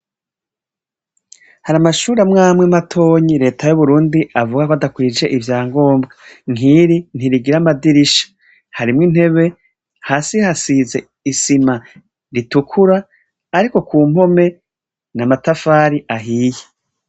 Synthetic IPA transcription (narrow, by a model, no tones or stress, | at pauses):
haɾamaʃuːɾamŋaːmŋematʰo̞ːɲiɾe̞ːtʰajuβuɾuːndiavuɡakoadakwiːd͡ʒe̞ʔivjaːŋɡo̞ːmbɡaŋiɾin̥iɾiɡiɾamadiɾiʃḁ | haɾimŋin̥he̞βe̞ | haːsihasize̞ | isima | ɾitukʰuɾaː | ɾiko̞kuːm̥ho̞me̞ | namatafaːɾiʔaɦiːje